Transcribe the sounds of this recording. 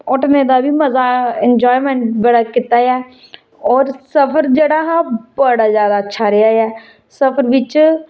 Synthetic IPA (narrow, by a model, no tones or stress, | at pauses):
ʊʈneːd̪aːbiːməzaːɛnd͡ʒɔːimɛ̃ːɳʈbəɽaːkɪt̪ːaːɛː | ɔːɾsəpʰəɾd͡ʒeːɽaːɦãːbəɽaːzjaːd̪aːətːʃʰaːɾɪaːɛː | səpʰəɾʋɪt͡ʃ